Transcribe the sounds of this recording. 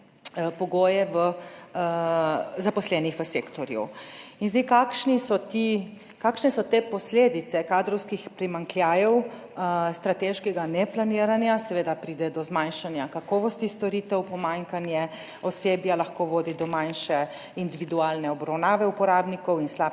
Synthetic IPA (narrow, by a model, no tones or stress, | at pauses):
pɔɡoːjɛʋə | zapɔslɛːnixʋəseːkt̪ɔɾjṵinzd̪ikakʃnisɔt̪i | kaːkʃnɛsɔt̪eːpɔsleːd̪it̪ɛkaːd̪ɾɔwskixpɾimaŋkljaːjɛw | st̪ɾat̪eːʃkɛɡanɛplaniːɾanjasɛʋeːd̪apɾiːd̪ɛd̪ɔzmanʃanjakakɔːʋɔst̪ist̪ɔɾiːt̪ɛwpɔmaŋkanjɛ | ɔseːbjalaxkoʋoːd̪id̪ɔmajnʃɛ | ind̪iʋid̪uaːlnɛɔbɾawnaːʋɛupɔɾaːbnikɔwinsla